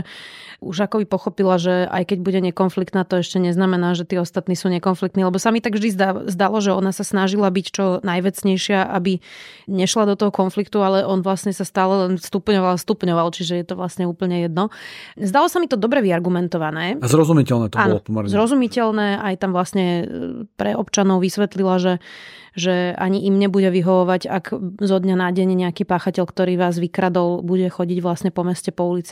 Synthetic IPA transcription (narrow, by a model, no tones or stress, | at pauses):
uʒakɔbipɔxɔpilaʒɛa̰jkɛɟbuɟɛɲɛkɔnflikt̪naːt̪ɔɛʃcɛɲɛznamɛnaːʒɛt̪iːɔst̪at̪niːsuːɲɛkɔnflik̚t̪nilɛbɔsamit̪aɡvʒd̪izd̪azd̪alɔʒɛɔnasasnaʒilabict͡ʃɔnajʋɛt͡sɲɛjʃɪaʔabiɲɛʃlad̪ɔt̪ɔɦɔkɔnflikt̪ualɛʔɔnʋlasɲɛsast̪aːlɛlɛnst̪upɲɔʋalast̪upɲɔʋalt͡ʃiʒɛjɛt̪ɔʋlasɲɛuːpl̩ɲɛjɛd̪nɔzd̪alɔsamit̪ɔd̪ɔbɾɛʋiaɾɡumɛnt̪ɔʋanɛːazɾɔzumicɛlnɛːt̪ɔabanb̪lɔpɔmɛɾɲɛzɾɔzumicɛlnɛːʔajt̪amʋlasɲɛpɾɛɔpt͡ʃanɔʊʋisʋɛt̪lilaʒɛ | ʒɛa̰ɲiʔimɲɛbuɟɛʋiɦɔʋɔʋaɟaɡzɔd̪ɲanaɟɛɲɛɲɛakiːpaːxacɛʎkt̪ɔɾiːʋaːzʋikɾad̪ɔlbuɟɛxɔɟiɟʋlasɲɛpɔmɛscɛpɔulit͡si̥